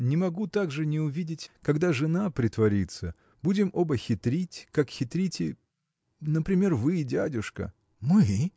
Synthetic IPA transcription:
nʲɪmɐɡut̪aɡʐɨnʲɪʊvʲidʲɪtʲkɐɡd̪aʐɨnapɾʲɪt̪vɐɾʲit̪sə | budʲɪmobəxʲɪt̪ɾʲitʲkakxʲɪt̪ɾʲitʲɪ | nəpɾʲɪmʲe̞rvɨdʲædʲʊʂkə̰ | mɨ

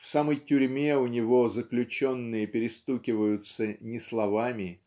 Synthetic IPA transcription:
fsaməjtʲʊɾʲmʲe̞ʊnʲɪvo̞zəklʲʉt͡ɕo̞nːɨjəpʲɪɾʲɪst̪ukʲɪvəjʊt̪sənʲɪslˠɐvamʲɪ

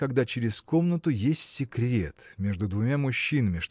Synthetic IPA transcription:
kɐɡd̪at͡ɕɪɾʲɪsko̞mnət̪ʊjesʲtʲsʲɪkɾʲḛt̪mʲe̞ʐd̪ʊd̪vʊmʲamʊɕːinəmʲɪʂt̪

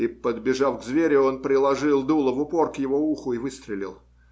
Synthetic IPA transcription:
ipəd̪bʲɪʐafɡzvʲeɾʲɪo̞npɾʲɪlˠɐʐɨlˠd̪ulˠəvʊpo̞rkjɪvo̞uxʊivɨst̪ɾʲɪlʲɪ̰lˠ

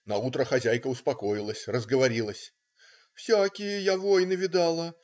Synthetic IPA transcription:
nɐut̪ɾəxɐzʲæjkəʊspɐko̞jɪlˠəsʲrəzɡəvɐɾʲilˠəsʲ | fsʲakʲɪjəjavo̞jnɨvʲɪd̪ɑlˠə

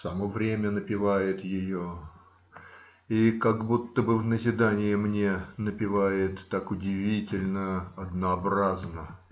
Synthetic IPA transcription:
sɐmovɾʲemʲənəpʲɪvajɪt̪jɪjo | ikaɡbut̪ːəbɨvnəzʲɪd̪anʲɪjɪmnʲe̞nəpʲɪvajɪt̪ːakʊdʲɪvʲitʲɪlʲnəɐd̪nəɐbraznə

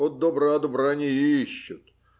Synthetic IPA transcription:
ot̪̚d̪obɾad̪ʊbɾanʲɪjiɕːʊt̪

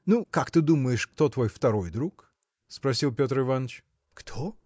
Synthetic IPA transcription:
nukakt̪ɨd̪uməjɪʂkt̪o̞t̪vo̞jft̪ɐɾo̞jd̪ɾuk | spɾɐsʲilˠpʲot̪rɨvanət͡ɕ | kt̪ʰo

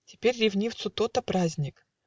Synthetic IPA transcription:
tʲɪ̥pʲeɾʲrʲɪvnʲift̪sʊt̪ot̪əpɾazʲnʲɪk

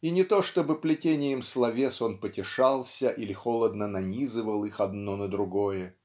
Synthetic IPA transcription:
inʲɪt̪o̞ʂt̪o̞bɨplʲɪtʲenʲɪjəmslˠɐvʲe̞so̞npətʲɪʂɑlˠsʲəʔilʲɪxo̞lˠəd̪nənɐnʲizɨvəlˠɨxɐd̪no̞nəd̪ɾʊɡo̞jə

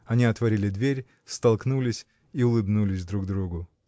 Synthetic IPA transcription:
ɐnʲiɐt̪vɐɾʲilʲɪd̪vʲeɾʲ | st̪ɐlˠknulʲɪsʲ | iʊlˠɨbnulʲɪsʲd̪ɾuɡd̪ɾuɡʊ

